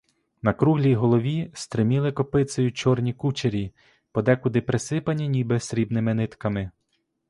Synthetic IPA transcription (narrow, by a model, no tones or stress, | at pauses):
nɐkɾuɦlʲijɦɔlˠɔʋʲist̪ɾɪmʲilˠɪkɔpɪt̪sɔjʊt͡ʃɔrnʲikut͡ʃeɾʲi | pɔd̪ɛkʊd̪ɪpɾesɪpɐnʲinʲibɪsɾʲibnɪmɪnɪt̪kɐmɪ